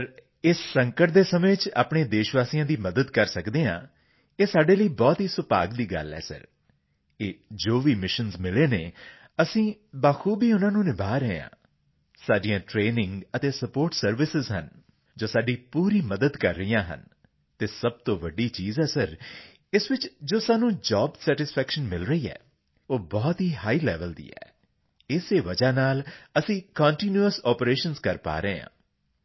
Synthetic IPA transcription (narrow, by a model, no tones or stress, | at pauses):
pɾ | ɪssəŋkəʈ̚d̪eːsəmẽːt͡ʃa̰ːpɳẽːd̪eːʃʋaːsiːjãːd̪iːməd̪əd̪kəɾsəkd̪eːã̰ː | eːsaːɖeːləiːbɔːt̪ɦiːsʊpa̰ːɡd̪iːɡə̰lɦɛ̰ːsə̰ɾ | eːd͡ʒoːʋiːmɪʃənzmɪleːneː | əsĩːbaːkʰuːbiːʊnãːnũːnɪbaːɾəɦeã̰ː | saːɖijãːʈɾeːnɪ̃ŋɡət̪eːsəpoːɾʈsəɾʋɪsɪzɦə̰n | d͡ʒoːsaːɖiːpuːɾiːməd̪əd̪kəɾːəijãːɦə̰n | t̪eːsəb̚t̪õːʋəɖiːt͡ʃiːzɛːsəɾ | ɪsʋɪt͡ʃd͡ʒoːsaːnũːd͡ʒɔːbsɛːʈɪspʰɛːkʃənmɪlɾəiːɛ̰ː | oːbɔːt̪ɦiːɦaːiːlɛ̰ːʋəld̪ḭːɛ̰ː | ɪseːʋəd͡ʒaːnaːləsĩːkɔːɳʈiːnjuəsɔːpɾeːʃənzkəɾpa̰ːɾəɦeã̰ː